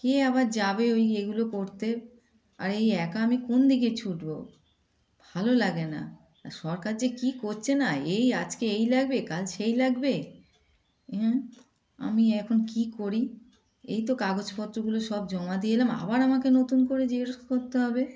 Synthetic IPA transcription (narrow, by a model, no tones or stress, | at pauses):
keaβaɾd͡ʑabeojeɡulokoɾt̪e | a̰ɾejɛkaamikond̪iɡet͡ɕʰuʈbo | bʱalolaɡena̰ | aɾʃɔɾkaɾd͡ʑekikoɾt͡ɕʰenaejad͡ʑkeejlaɡ̚bekalʃejlaɡbe | ɦɛ̃ | a̰miɛkʰonkikoɾi | ḛjt̪okaɡod͡ʑpɔt̪ːɾoɡuloʃɔbd͡ʑɔmad̪ielama̰baɾamakenot̪unkoɾed͡ʑeɾokoɾt̪eɦɔbe